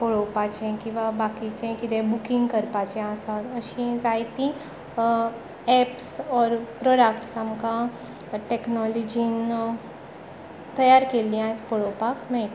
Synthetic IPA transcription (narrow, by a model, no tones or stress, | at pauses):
poɽopat͡ʃẽkiʋabaːkit͡ʃẽkid̪ebʊkɪ̃ŋɡkɐɾpat͡ʃẽaːsalɐʃĩzaːjt̪ĩ | ɛːpsɔːɾpɾoːɖəkʈsɐmka | ʈeːknɔːlɔd͡ʒin | t̪ɐjaːɾkeliãspoɽopaːkmɛ̃